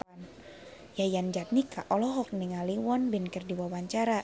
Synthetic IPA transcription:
n | jajand͡ʒat̪̚nikaʔɔlɔɦɔk̚nɛŋaliwɔnbɪnkɛrdiwawaɲt͡ʃaɾa

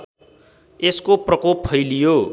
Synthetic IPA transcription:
eskoprʌkopʰʌjlijo

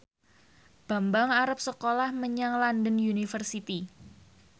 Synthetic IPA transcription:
b̥a̤mbaŋaɾəp̚səkolahməɲaŋlandənunifərsit̪i

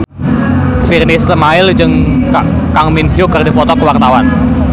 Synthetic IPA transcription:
firnɪsləmaɪld͡ʒɨŋka | kaŋmɪnɦjʊkərdipɔt̪ɔkəwart̪awan

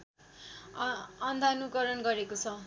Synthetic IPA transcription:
ʌnd̪ʱanukʌɾʌnɡʌɾekot͡sʰʌ

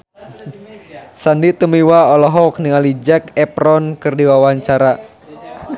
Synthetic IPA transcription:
sandit̪umiwaɔlɔɦɔk̚niŋalid͡ʒɛkɛpɾɔnkɨrdiwawaɲt͡ʃaɾa

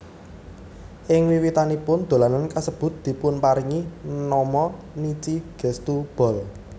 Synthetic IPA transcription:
ʔɪŋwiwit̪anipʊnd̪̥o̤lanankasəb̥ʊ̤t̪̚d̪̥i̤pʊnpaɾiŋinɔmɔ | nit͡ʃiɡ̥ɛ̤st̪ub̥ɔ̤l

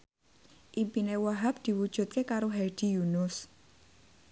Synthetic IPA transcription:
ʔimpinewaɦap̚d̪̥i̤wud̥ʒ̥ṳt̪̚kekaɾoɦɛd̪̥i̤junʊs

